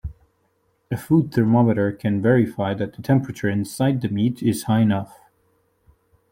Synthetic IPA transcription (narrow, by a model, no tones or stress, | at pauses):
ɨfud̪̚θʰə˞mɑmɨɾə˞kʰɨ̃nvɛɹɪfaɪðɨt̪̚ðətʰɛ̃mpɹɨt͡ʃə˞ɪ̃nsaɪd̪̚ðɨmiɾɪz̥haɪɨnʌf